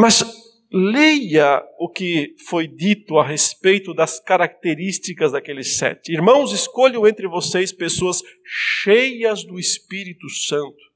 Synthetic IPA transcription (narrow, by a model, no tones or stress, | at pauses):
mɐz | lejɐʊkɪfojd̪it̪ʊaɦespejt̪ʊd̪ɐskaɾak̚t̪eɾist̪ikɐzd̪akelɪsɛ̰t̪ɪiɾmɐ̃w̃zɪskoʎɐ̃w̃ẽnt̪ɾɪvosejspesoɐs | ʃejɐzd̪ʊespiɾit̪ʊsɐ̃nt̪ʊ̥